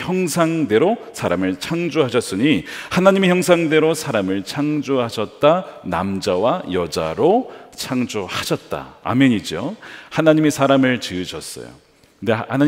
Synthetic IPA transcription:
çjʌŋsʰaŋde̞ɾosʰaɾamɯɭt͡ɕʰaŋd͡ʑuɦaɕʰʌs͈ɯɲihanaɲimeçjʌŋsʰaŋde̞ɾosʰaɾamɯɭt͡ɕʰaŋd͡ʑuɦaɕʰʌt̚t͈ana̰md͡ʑawajʌd͡ʑa̰ɾot͡ɕʰaŋd͡ʑohaɕʰʌt̚t͈a̰a̰mjʌɲid͡ʑohanaɲime̞sʰaɾamɯɭt͡ɕɯɯɕʰʌs͈ʌ̰jo̰ | ndehana

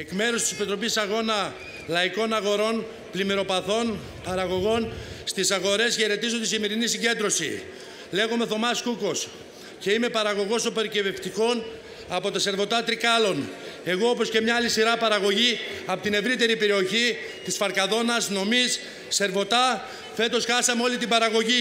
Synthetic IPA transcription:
e̞kme̞ɾust̪i̥se̞pit̪ɾo̞pisɐɣo̞nɐ | lɐiko̞nɐɣo̞ɾo̞n | plimeɾo̞pɐθo̞n | pɐɾɐɣo̞ɣo̞nst̪isɐɣo̞ɾe̞sçeɾe̞t̪izot̪isime̞ɾinisiɲɟe̞nd̪ɾo̞sḭ | le̞ɣome̞θo̞mɐskuko̞s | ce̞ime̞pɐɾɐɣo̞ɣo̞sope̞ɾiceveft̪iko̞n | ɐpo̞t̪ɐse̞ɾvo̞t̪ɐt̪ɾikɐlo̞ne̞ɣo̞opo̞sce̞mɲɐːlisiɾɐpɐɾɐɣo̞ʝiɐpot̪ine̞vɾit̪e̞ɾipe̞ɾio̞çi | t̪isfɐɾkɐðo̞nɐsno̞misː | e̞ɾvo̞t̪ɐ | fe̞t̪o̞sxɐsɐmeo̞lit̪ibɐɾɐɣo̞ʝi

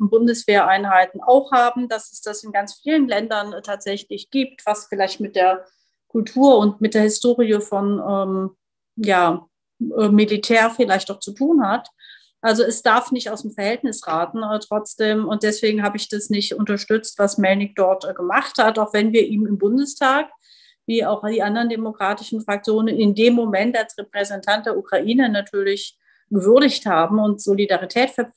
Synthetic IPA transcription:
bʊndəsv̥eːɐʔaɪnhaɪtn̩aʊxhaːbm̩d̥asɛsd̥asɪnɡant͡sfiːlənlɛndɐntʰaːtz̥ɛçlɪçɡ̥iːp̚tv̥asfɪlaɪçtmɪt̚d̥eːɐ | kʰʊltʰuːɐʊntmɪt̚d̥eːɐhɪstoːʁiəfɔnʔɛːm | jaː | ʔɛːmilitʰɛːɐfɪlaɪçtaʊxt͡sutʰuːnhat | ʔalzoɛsd̥aɐfnɪçtaʊsd̥emfɛɐhɛltnɪsʁaːtn̩tʁ̥ɔt͡sd̥eːmʊnt̚d̥ɛsv̥eːɡŋ̩haːbəɪçd̥asnɪçtʔʊntɐʃtʏt͡stv̥asmɛlnɪk̚d̥ɔɐtɡ̥əmaχthataʊxv̥ɛnviːɐʔiːmɪmbʊndəstʰaːk | viːaʊxd̥iːʔandɐʁəndemokʁ̥aːtɪʃn̩fʁ̥ak̚t͡sjoːnənɪndeːmːomɛntalsʁɛpʁ̥ɛzɛntʰant̚d̥eːɐʔukʁ̥aʔiːnənatʰyːɐlɪç | ɡ̥əvʏɐɾɪçthaːbm̩ʊntz̥olidaʁitʰɛːtfɛɐ

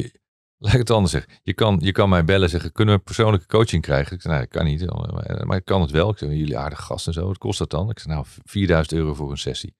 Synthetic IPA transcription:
lɛjkətɑndəsɛχəjəkɑnjəkɑnmɛjbɛlənzɛχəɪkːɵnəʋəpəɹsownləkə̥kowt͡ʃɪŋkrɛjχənɪksɛnaɪkʰɑ̰nitn̰mʔa̰ɪkːɑnətʋɛlˠɪksɛjɵliʔa̰ːɹdəχəχɑ̰stɛnzowət̚kʰɔ̰stɑt̚dɑnɪksɛχnawfiːɹdœɥzəntøːrowvʊːɹənsɛ̰sḭ

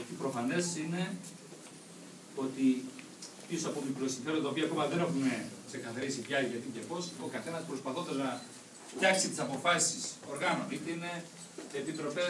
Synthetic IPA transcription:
t̪ipɾo̞fɐne̞sine̞ | o̞t̪i | piosɐpomikɾosiɱfe̞ɾd̪d̪ɐopiɐko̞mɐðene̞xunekse̞kɐθɐɾisiceɐliʝɐt̪icepo̞so̞kɐθe̞nɐspɾo̞spɐθot̪ɐznɐ | ft̪çɐksit̪i̥sɐpo̞fɐsiso̞ɾɣɐnonit̪eine | epit̪ɾo̞pe

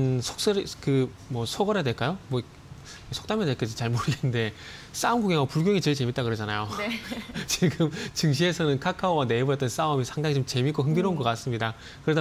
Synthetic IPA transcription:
nsʰok̚s͈ʌɾkɯ | mwʌsʰoɡʌɾadwe̞ɭk͈ajomwʌ | sʰo̥k̚t͈amjadeɭk͈ad͡ʑit͡ɕaɭmoɾɯɡennde̞ | s͈aɯmɡuɡeŋʌpuɭɡjoŋit͡ɕeɭt͡ɕe̞mit̚t͈akɯɾʌd͡ʑanajo | t͡ɕiɡɯmt͡ɕɯŋɕ̬ʰie̞sʰʌnɯnkʰakʰaowane̞ibʌɾʌt͈ʌns͈aomisʰaŋdaŋit͡ɕomt͡ɕe̞mik͈oɦɯŋdɯɾounɡʌk͈ats͈ɯmɲida | kɯɾeda

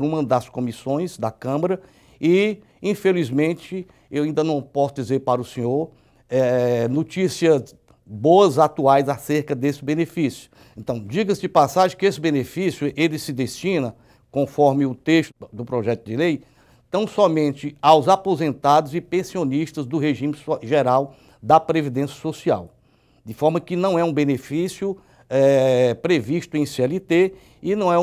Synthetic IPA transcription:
ɾũmɐ̃d̪askõmisõj̃zd̪ɐkɐ̃mɐɾɐ | ɪ | ĩfelizmẽt͡ʃɪ | ewaĩnd̪ɐnɐ̃w̃pɔsʊd͡ʒizeɾpaɾɐʊsẽɲoɾ | ɛnot͡ʃisiɐz | boɐzat̪uajzaseɾkɐd̪esɪbẽnefisjʊ̥ | ẽnt̪ɐ̃w̃d͡ʒiɡɐsd͡ʒɪpasaʒɪ̃kɪesɪbẽnefisjʊʔelɪsɪd̪eʃt͡ʃĩnɐ | kõfɔɾmɪʊt̪eʃt̪ʊd̪ʊpɾɔʒɛt̪ʊd̪ɪlej | t̪ɐ̃w̃sɔmẽnt͡ʃ̪ɪawzapozẽnt̪ad̪ʊzɪpẽsioniʃt̪ɐzd̪ʊɦeʒĩmɪsʒeɾaw | d̪ɐpɾevid̪ẽsjɐsosia̰w | d̪ɪfɔɾmɐkɪnɐ̃w̃ɛũbenefisjʊ | ɛpɾeviʃt̪ʊẽj̃seɛlit̪e | ɪnɐ̃w̃ɛ̃

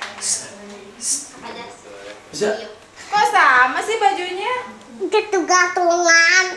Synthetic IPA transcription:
s | s | sa | kasamasɪhbad͡ʒuɲa | kət̪uɡat̪ulan

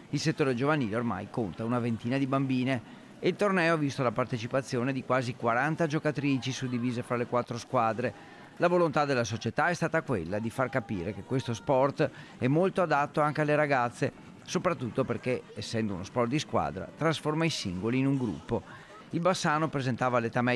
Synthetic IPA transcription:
ilset̪ːoːɾed͡ʒovaniːleorma̰jkont̪aunavent̪iːnad̪ibambiːneː | ilt̪ornɛːoavist̪olapart̪et͡ʃipat̪sːjoːned̪ikwaːzikwaɾant̪ad͡ʒokat̪ɾiːt͡ʃisud̪ːiviːzefɾalekwat̪ːɾoskwaːd̪ɾe | lavolont̪ad̪elːasot͡ʃet̪aɛst̪aːt̪akwelːad̪ifarkapḭːɾekekːwest̪ospɔrt̪ | ɛmːolt̪oad̪at̪ːoaŋkealːeɾaɡat̪sːe | sopɾat̪ːut̪ːoperkeesːɛnd̪ounospɔrt̪̚d̪iskwa̰ːd̪ɾa̰t̪ɾasformaisiŋɡoliːnuŋɡɾṵpːo | ilbasːaːnopɾezent̪aːvalet̪amɛ

